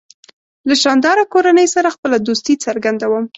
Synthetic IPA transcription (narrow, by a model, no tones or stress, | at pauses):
laʃɑnd̪ɑɾakoɾanəjsaɾaxpəlad̪ost̪it͡səɾɡand̪awəm